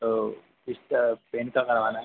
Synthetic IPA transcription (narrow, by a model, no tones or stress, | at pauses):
o | ɪst̪peːnkakɐɾʋaːnaɦ